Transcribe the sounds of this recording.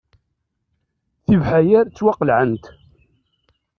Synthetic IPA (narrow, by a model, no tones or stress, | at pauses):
θivħajæɾt͡sːwɑqəlʕənt̪